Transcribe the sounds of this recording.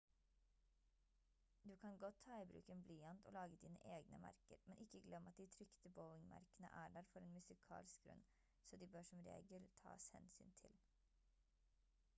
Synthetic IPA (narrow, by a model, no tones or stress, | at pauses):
d̪ʉːkʰɑnɡɔt̪ʰːɑɪbɾʉ̰ːkenblyːɑnt̪o̰ːlɑːɡəd̪iːnə̰ʔeːɡnə̰mæ̰ɾkəɾmɛnʔɪkːəɡlɛmːɑt̪̚d̪ɪt̪ʰɾʏkt̪əboʊɪŋmɑ̰ɾkənə̰ʔæːɖæːɾfɔɾeːnmʉsɪkʰɑ̰ːlskɡɾʉ̰n | soːd̪iːbøːʂɔmɾḛːɡəlt̪ʰɑ̰ːshɛnsyːnt̪ʰɪl